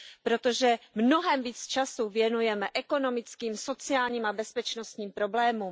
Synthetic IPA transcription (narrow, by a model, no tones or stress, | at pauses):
pɾot̪oʒɛmnoɦɛmviːt͡st͡ʃasuvjɛnujɛmɛʔɛko̞no̞mɪt͡skiːmso̞t͡sɪaːlɲiːmabɛspɛt͡ʃnost̪ɲiːmpɾo̞blɛːmuːm